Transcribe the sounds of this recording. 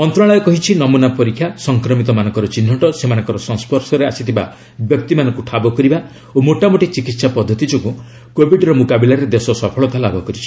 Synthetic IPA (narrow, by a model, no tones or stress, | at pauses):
ɔnt̪ɾaɭajɔkɔɦit͡ʃʰinɔmunapɔɾikʰːjasɔŋkɾɔmit̪ɔmanɔ̃ŋkɔɾɔt͡ʃin̤ːɔʈɔsemanɔ̃ŋkɔɾɔsɔ̃nspʰɔɾsɔɾea̰sit̪ʰiba̰ | bjɔk̚t̪imanɔŋkuʈʰabɔkɔɾiba | omoʈamoʈit͡ʃikit̪sapɔd̪ʱːɔt̪id͡ʒɔku | kobʱiɖɾɔmũkabilaɾed̪esɔsɔpʰɔɭɔt̪alaɡɔkɔɾit͡ʃʰi̥